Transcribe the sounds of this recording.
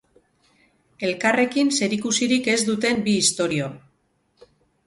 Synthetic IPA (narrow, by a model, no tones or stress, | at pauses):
e̞lkare̞kinse̞ɾikusiɾike̞zd̪ut̪e̞mbiːst̪o̞ɾio